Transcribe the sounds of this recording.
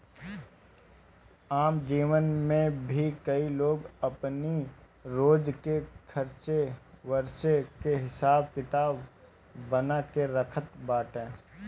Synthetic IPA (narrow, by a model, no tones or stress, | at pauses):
aːmd͡ʒiːʋənmẽbʱikɐiloːɡɐpni | ɾoːd͡ʒkekʰɐɾt͡ʃeʋəɾʃekeɦɪsaːb̚kɪt̪aːbː | ənakeɾəkʰət̪baːʈẽː